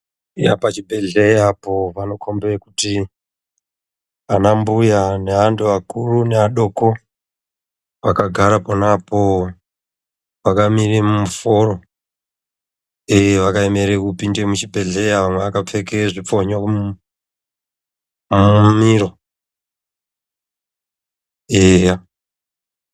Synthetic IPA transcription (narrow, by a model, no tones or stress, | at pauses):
japat͡ʃibʱe̞ɮeapo̞ʋano̞kʰo̞mbekuti | anambujane̞ɦanduʋakuruneaɗoko | ʋakaɡʱaɾaponapo | ʋakamirimumufo̞ro̞ | eʋakaemeɾekupindemut͡ʃibʱe̞ɮejaʋamweakap͡fe̞keʐip͡foɲa | mumiro | eja